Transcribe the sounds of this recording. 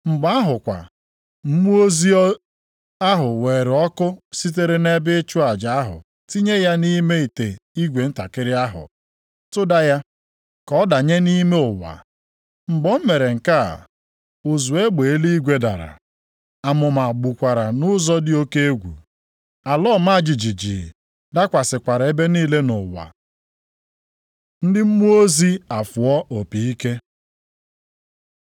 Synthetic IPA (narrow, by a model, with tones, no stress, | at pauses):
ŋ͡m̩˨ɡ͡ba˦a˦ɦʊ˨kʷa̰˨ | m̩˦mu˦o˦zi˦ɔ˦ | a˦ɦʊ˨we˨ɾɔ˦kʊ˦si˦t̬e˦ɾe˦ne˦bɪ˦t͡ʃʊ˦a˨d͡ʒa˨a˦ɦʊ̰˨ | ti˦ɲe˦ja˦ni˦me˦i˨te˨i˦ɡʷe˨n̩˦ta˨kɪ˦ɾɪ˦a˦ɦʊ̰˨ | tʊ˦da˦ja˦ | kɔ˦da˨ɲe˦ni˦me˦ʊ˨wa̰˨ | ŋ͡m̩˨ɡ͡bɔ˦m̩˦me˨ɾe˨ŋ̩˨ka̰˦˨ | ʊ˨zu˨e˦ɡ͡be˨e˦li˦i˦ɡʷe˦da̰˨ɾa̰˨ | a˨mʊ˨ma˨ɡ͡bu˨kʷa˨ɾa˨nʊ˦zɔ˦dɪ˦o˦ke˦e˦ɡʷṵ˨ | a˨lɔ˦˨ma˦a˦˨d͡ʒi˨d͡ʒi˨d͡ʒi˨ | da˦kʷa˨sɪ˨kʷa˨ɾa˨e˦be˦niː˦le˦nʊ˨wa̰˨ | n̩˦dɪ˦m̩˦mu˦o˦zi˦a˨fʊ˨ɔ˦ʔo˨pi˨i˦ke˦